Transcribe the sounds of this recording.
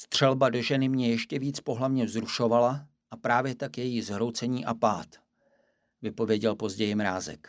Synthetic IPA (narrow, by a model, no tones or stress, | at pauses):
st̪r̝̥ɛlbado̞ʒɛnɪmɲɛjɛʃcɛviːt͡spo̞ɦlavɲɛzɾuʃo̞vala | ʔapɾaːvjɛt̪akjɛjizɦɾo̞wt͡sɛɲiːʔapaːt̪ | vɪpo̞vjɛɟɛlpo̞zɟɛjɪmɾaːzɛ̰k